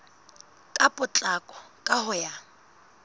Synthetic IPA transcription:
kʼapʼʊt͡ɬʼakʼɔkʼahʊja

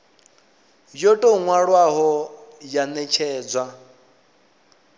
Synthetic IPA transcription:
jotʼɔŋwaɺwaɦɔjanɛt͡ʃʰɛːd͡zwa

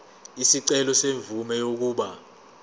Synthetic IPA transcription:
isiǀɛlɔseɱvumɛjok̬uːɓa

